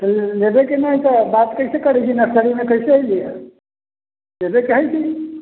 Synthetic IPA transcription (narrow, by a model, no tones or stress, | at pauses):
t̪əllebekenajt̪əbat̪kəjsekəɾ̤ɛt͡ʃʰinəsəɾimekəisejlija | lebekeɦəjt͡ʃʰi